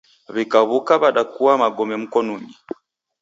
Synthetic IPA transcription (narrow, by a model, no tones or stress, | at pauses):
βikaβukaβaɗakuwamaɡɔmɛm̩kɔnuɲi